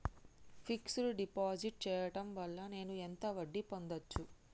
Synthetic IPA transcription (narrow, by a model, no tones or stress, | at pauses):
pʰiksuluɖipaːd͡ʒiʈ̚t͡ʃɛːjɐʈɐmʋɐɭːɐne̞ːnuent̪ɐʋɐɖːipo̞nd̪ɐt͡ʃːu